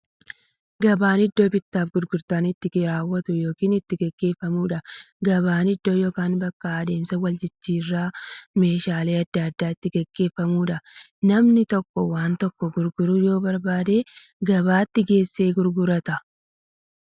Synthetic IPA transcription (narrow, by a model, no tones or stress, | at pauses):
ɡɐbaːnɪd̪ːo̞ːbɪt̪ːaːfɡʊɾɡʊɾt̪aːnɪt̪ːɪɡɾaːwːɐt̪ʊjo̞ːkiːnɪt̪ːɪɡɐɡːe̞ːfːɐmuːᶑɐɡɐβaːnɪd̪ːo̞ːjoːkaːnbɐkːɐːd̪e̞ːmsɐwɐld͡ʒɪt͡ʃːiːrːaːme̞ːʃaːle̞ːɐd̪ːɐɐd̪ːaːɪt̪ːɪɡɐɡːe̞ːfːɐmuːᶑɐnɐmnɪt̪ɔkːɔwaːnt̪ɔkːɔɡʊɾɡʊɾʊjo̞ːbɐɾbaːd̪e̞ːɡɐbaːt̪ːɪɡe̞ːsːe̞ːɡʊɾɡʊɾɐt̪ɐ